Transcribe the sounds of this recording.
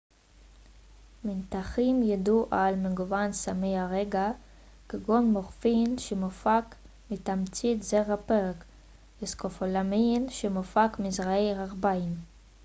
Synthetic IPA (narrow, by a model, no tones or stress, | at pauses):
mint̪aχimjad̪uʔalmeɡuvansamejaʁeɡa | keɡonmoʁfinʃemofak | mit̪amt͡sitzeʁapeʁek | eskofolaminʃemofakmizʁaejʁaʁbaim